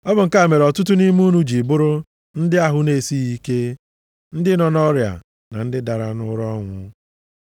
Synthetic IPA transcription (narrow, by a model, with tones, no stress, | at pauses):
ɔ˦bʊ˨ŋ̩˨ka˦˨me˨ɾɔ˨tʊ˦t̬ʊ˦ni˦mu˦nu˦d͡ʒi˨bʊ˦ɾʊ˦ | n̩˦dɪ˦a˦ɦʊ˦ne˨si˦i˦ke˦ | n̩˦dɪ˦nɔ˨nɔ˦ɾja̰˨ | na̰˨n̩˦dɪ˦da˨ɾa˨nʊ˦ɾɔ˦ŋʷʊ̰˦